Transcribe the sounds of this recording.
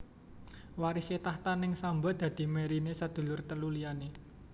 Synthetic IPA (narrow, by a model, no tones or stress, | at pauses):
waɾiset̪aht̪anɪŋsambad̪̥ä̤d̪̥i̤meɾinesad̪̥ṳlʊrt̪əluliane